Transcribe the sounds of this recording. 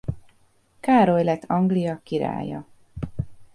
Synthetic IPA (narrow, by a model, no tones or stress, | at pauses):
kaːɾojlɛt̪ʰːɒŋɡlijɒkiɾa̰ːjɒ̰